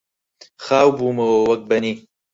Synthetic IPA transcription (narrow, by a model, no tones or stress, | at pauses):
xaːwbuːmɐowɐk̚bɐni